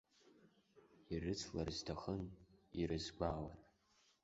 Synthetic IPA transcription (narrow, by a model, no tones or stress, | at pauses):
irɨt͡sʰlarztʰaχəniɾɨzɡʷawa̰n